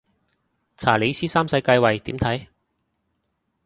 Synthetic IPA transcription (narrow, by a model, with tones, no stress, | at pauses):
t͡sʰaː˨˩le˨˧jsiː˥saː˥msɐ˧jkaː˧jwɐ˨jt̪iː˨˥mt̪ʰɐ˨˥j